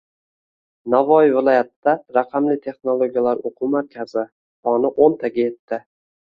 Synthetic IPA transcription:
navɒjɪvɪlˠɒjat̪ːaɾaqʰɑmlɪt̪ʰe̞χnolˠoɡʲijalaɾoqʰʊmaɾkʲʰazɪ | t̪ʰɒnɪʔont̪ʰaɡʲaje̞t̪ʰːɪ

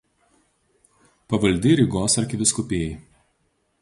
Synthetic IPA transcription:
pɐʋɐlʲd̪ʲɪɾʲɪɡoːsɐɾʲkʲɪʋʲɪskʊpʲeːjɛɪ

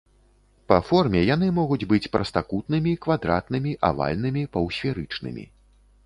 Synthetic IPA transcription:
pɐfɔrmʲɛjanɨmɔɣud͡zʲbɨt͡sʲpɾʔɐst̪akut̪nɨmʲikvad̪ɾa̰t̪nɨmʲiʔa̰va̰lʲnɨmʲipɐwsʲfʲɛɾɨt͡ʂnɨ̰mʲḭ

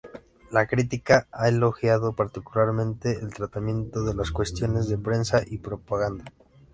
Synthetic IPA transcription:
lakɾit̪ikaaelo̞xjaðo̞paɾt̪ikulaɾmẽ̞nt̪e̞ːlt̪ɾat̪amjẽ̞nt̪o̞ðe̞laskwe̞st̪jo̞ne̞zðe̞pɾe̞nsaʔipɾo̞paɣand̪a

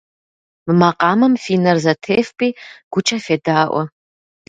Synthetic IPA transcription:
mɨmaqʼɑːmɐmfiːnɐrzɐtʰeːfpʼiːɡ̥ʷʊt͡ʃʼɐfeːdaːʔʷɔ̰

